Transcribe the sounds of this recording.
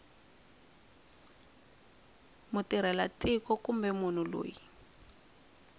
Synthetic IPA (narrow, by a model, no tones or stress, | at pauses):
mutiɾ̤ɛlatikɔkumbɛmun̤ulo̰ːji